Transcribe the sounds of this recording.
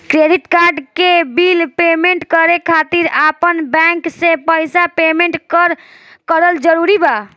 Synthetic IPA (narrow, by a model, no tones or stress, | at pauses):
kɾeɖiʈkaɾɖkebilpemeɳʈkəɾekʰat̪iɾapənbɛ̃ŋksẽpəjsapemeɳʈkəɾ | kəɾəld͡ʒəɾuɾiba